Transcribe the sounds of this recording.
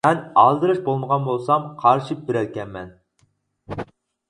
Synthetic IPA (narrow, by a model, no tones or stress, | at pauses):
ɛnɑlˠd̪ɨɾɨʃbolˠməʁɑnbolˠsɑmqʰɑɾʃip̚bɪɾælkʲɛnmɛn